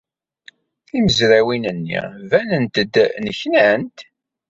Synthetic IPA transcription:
θiməzɾæwinənːḭvænənt̪əd̪nəçnænt̪

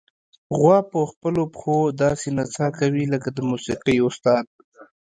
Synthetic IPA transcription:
ɣwɑpəxpəlopxod̪ɑsenat͡sɑkawiləkad̪əmusiqəjʊst̪ɑd̪̚

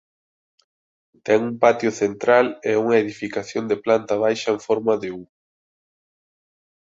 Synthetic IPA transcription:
t̪ɛŋumpat̪jʊθent̪ɾalɛuŋɐeðifikaθjond̪eplant̪aβ̞ajʃɐeɱfɔɾmɐðeu

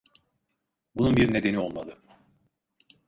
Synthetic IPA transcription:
bununbiɾne̞d̪e̞nio̞lˠmad̪ˠɯ

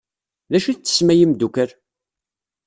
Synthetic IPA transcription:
ðæʃit͡sːə̥smæjəmd̪ukəɾ

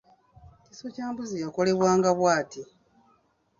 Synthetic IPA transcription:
cisocaːmbuzijako̞le̞βwaːŋɡaβwaːti

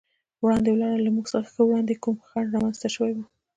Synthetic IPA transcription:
wɽɑnd̪ewlɑɽalamuɡsaɾaxəwɽɑnd̪ekumxɑnɾɑmanz̥t̪aʃəwejwu

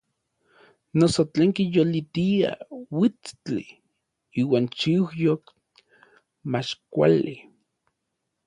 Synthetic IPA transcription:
nosot͡ɬeːŋkijolit̪ia̰wit͡st͡ɬḭ | iːwaːnt͡ʃiwjok | mat͡ʃkʷa̰li

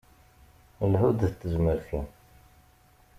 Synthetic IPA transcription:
lħʊd̪θət̪ːəzməɾθu

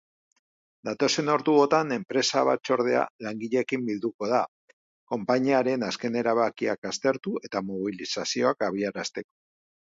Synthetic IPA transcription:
d̪at̪o̞se̞no̞ɾðuo̞t̪ane̞mpɾe̞saβ̞a̰t͡ʃo̞ɾð̞e̞a̰laŋɡiʎe̞kimbild̪uko̞ð̞a | ko̞mpaɲiaɾe̞naske̞ne̞ɾaβakiakast̪e̞ɾt̪ue̞t̪amoβ̞ilisasio̞akaβ̞iaɾast̪e̞ko̞̥

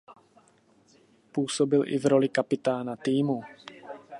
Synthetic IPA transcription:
puːsobɪlʔɪ̰vɾo̞lɪkapɪt̪aːnat̪iːmu

